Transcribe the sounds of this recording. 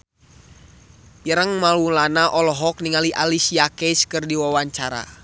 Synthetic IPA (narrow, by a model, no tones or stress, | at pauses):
jəɾəŋmalulanaʔɔlɔɦɔk̚niŋaliʔalisiakɛskɨrdiwawaɲt͡ʃaɾa̰